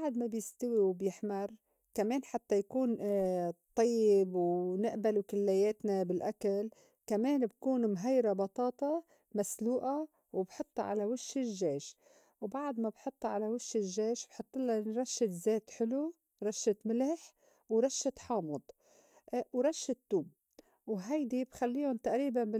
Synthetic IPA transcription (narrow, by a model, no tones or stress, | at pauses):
baʕd̪mabjɪst̪awiwbjɪħmar | kameːnħat̪ːajakuːn | t̪ˤːɑjːɪbwnɪʔbalukɪlːajeːt̪nabɪlʔakal | kameːnbkuːnmɦajɾabɑt̪ˤɑːt̪ˤɑ | masluːʔa | wbħʊt̪ˤːɑʕa̰lawɪʃːɪʒːeːʃ | wbaʕd̪mabħʊt̪ˤːɑʕalawɪʃːɪʒːeːʃbħʊt̪ˤːɨlɑɾˤɑʃːɪt̪zeːt̪ħɪlu | ɾˤɑʃːɪt̪mɪlaħ | wɾˤɑʃːɪt̪ħɑːmʊd̪ˤ | wɾˤɑʃːɪt̪ːuːb | wɦajd̪ibxalːiːhʊnt̪aʔɾiːbanbɪ